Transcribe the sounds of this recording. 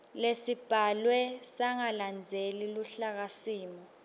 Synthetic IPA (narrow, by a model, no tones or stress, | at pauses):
lesib̥ʱalwɛsaŋaland͡zʱeliluɬak̬asiːmɔ